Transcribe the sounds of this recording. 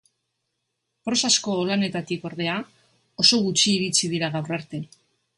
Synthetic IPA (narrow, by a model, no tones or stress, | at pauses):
pɾo̞sasko̞lane̞t̪at̪iko̞ɾðe̞a | o̞so̞ɣut͡ʃiːɾit͡ʃið̞iɾaɣawraɾt̪e̞